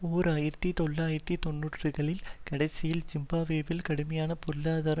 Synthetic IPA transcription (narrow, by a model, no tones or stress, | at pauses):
uːɾaːjɪɾɐt̪ːit̪ɔlːaːjɪɾɐt̪ːit̪ɔnːuːʈrɯɣɐɭɪlkɐɽɐɪsɪjɪlt͡ʃɪmbaːʋeːʋɪlkɐɽɯmɐjaːnɐpɔɾlaːðaːɾɐ